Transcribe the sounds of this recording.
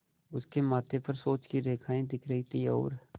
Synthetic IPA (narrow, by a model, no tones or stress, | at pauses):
ʊskemaːt̪ʰepɐɾsoːt͡ʃkiɾeːkʰaːĩd̪ɪkʰɾəit̪iɔ̰ːɾ